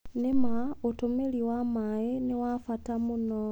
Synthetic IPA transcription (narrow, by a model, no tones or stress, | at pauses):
nemaotomeliwamajeniwafatamuno